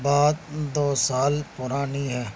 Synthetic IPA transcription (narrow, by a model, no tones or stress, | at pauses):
baːd̪̚d̪oːsaːlpʊɾaːniɦɛː